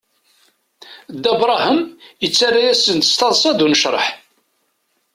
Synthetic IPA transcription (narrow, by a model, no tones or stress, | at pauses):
d̪ːæbɾˤɑhəmjət͡sːaɾæjæsənt̪ə̥st̪ɑðˤsˤɑd̪unəʃɾˤə̰ħ